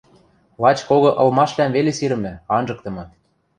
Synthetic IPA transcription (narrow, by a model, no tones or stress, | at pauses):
lɑt͡ɕkoɣɤ̆ʔɤ̆lmɑʃlæmβelesiɾɘ̆mnɘ̆ɑnʒɤ̆k̚t̪ɤ̆mɤ̆